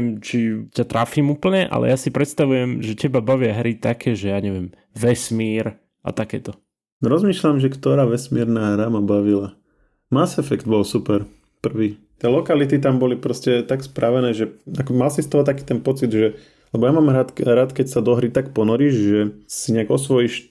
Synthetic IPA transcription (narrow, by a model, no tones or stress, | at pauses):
mt͡ʃicat̪ɾafiːmuːpl̩ɲɛʔa̰lɛ̰jasipɾɛt̪st̪aʋujɛmʒɛcɛbabaʋɪaɦɾit̪akʰɛːʒɛjaːɲɛʋɪɛm | ʋɛsmiːɾ | ʔa̰t̪akɛːt̪ɔ | ɾɔzmiːʃlamʒɛkt̪ɔɾaːʋɛsmiɾnaːɦɾamabaʋila | masɛfɛkd̪bɔlsupɛɾ | pr̩ʋiːt̪ɪɛlɔkalit̪it̪ambɔlipɾɔscɛt̪akspɾʔaʋɛnɛːʒɛakɔmalsist̪ɔɦɔt̪akiːt̪ɛnpɔt͡sid̪ʒɛ | lɛbɔjamaːmɾaːt̪ɾaːt̪kɛcsad̪ɔɦɾit̪akpɔnɔɾiʒʒɛsiɲɛaɡɔsʋɔjiʃ